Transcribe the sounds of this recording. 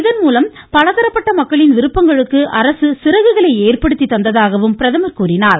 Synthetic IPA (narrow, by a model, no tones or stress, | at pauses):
ɪðɐnmuːlɐm | pɐɻɐðɐɾɐpːɐʈːɐmɐkːɐɭɪnʋɪɾɯpːɐŋɡɐɭɯkːɯʔɐɾɐsɯsɪɾɐɣɯɣɐɭɐɪeːrpɐɽɯt̪ːit̪ːɐnd̪ɐðaːɣɐʋɯmpɪɾɐðɐmɐlkuːɾɪnaːɾ